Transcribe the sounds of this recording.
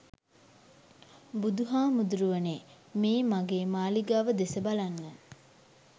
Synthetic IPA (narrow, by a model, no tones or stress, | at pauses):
bud̪uɦaːmud̪uɾuʋəne | miːmaɡeːmaːliɡaʋəd̪esəbalanːə